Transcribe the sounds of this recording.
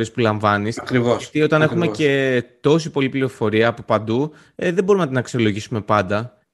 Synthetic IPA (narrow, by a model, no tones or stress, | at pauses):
iespulɐɱvɐniskɾivost̪io̞t̪ɐne̞xume̞ce̞t̪o̞sipo̞lipliɾo̞fo̞ɾiɐːpopɐnd̪u | ðe̞bo̞ɾumenɐt̪inɐksio̞lo̞ʝisume̞pɐnd̪ɐ